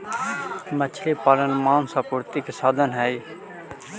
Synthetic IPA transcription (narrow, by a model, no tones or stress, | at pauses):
mət͡ʃʰliːpaːlənmaːnsaːpʊɾt̪ikesaːd̪ʱənɦɛi